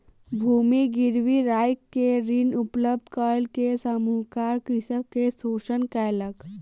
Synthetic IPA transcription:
bʱuːmiɡiɾʋiɾajkːeɾinupləb̚d̪kɔlkesəmuːkaɾkɾisəkːesoːʃənkɛjlək

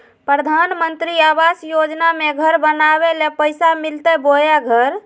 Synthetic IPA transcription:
pɾəd̪ʱanmənt̪ɾiaʋasjod͡ʒnameɡʱəɾbənaβelepəjsamilt̪ebojaɡʱəɾ

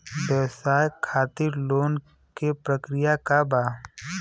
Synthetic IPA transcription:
bɛʋsaːjkʰaːt̪ɪɾloːn | kepɾəkɾɪjakabaː

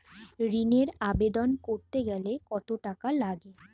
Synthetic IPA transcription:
ɾineɾabed̪onkoɾt̪eɡɛlekɔt̪oʈakalaɡe

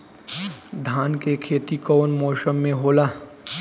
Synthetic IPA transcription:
d̪ʱaːnkekʰeːt̪ikɔːnmɔːʃəmːẽɦoːlaː

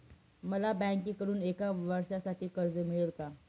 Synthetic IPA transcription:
məlabɛ̃ŋkiːkəɾuːnekaʋəɾʂasaʈʰiːkəɾd͡zəmiɭelka

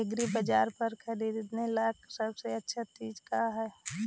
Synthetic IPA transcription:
ɪɡɾibəd͡ʒaːɾpəɾkʰəɾid̪nelaksəbseətːʃʰat͡ʃiːd͡ʒkaɦɛː

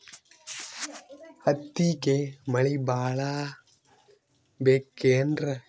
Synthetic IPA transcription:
ɐt̪ːikemɐɭibaːɭaː | beːkːeːndrɐ

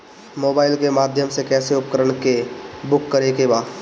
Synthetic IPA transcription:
moːbaːɪlkemaːd̪ʱjəmsekɛːseʊpkəɾəɳ̃kebʊkːəɾekebaː

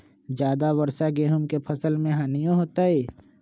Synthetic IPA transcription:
d͡ʒjaːd̪aʋɐɾsaɡeːɦəmkepʰɐsəlmẽɦaːnijõɦoːt̪aɦɛː

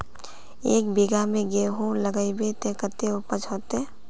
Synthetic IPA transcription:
eːkbiɡamẽɡeɦõləɡəibet̪ekət̪eʊpət͡ʃɦot̪e

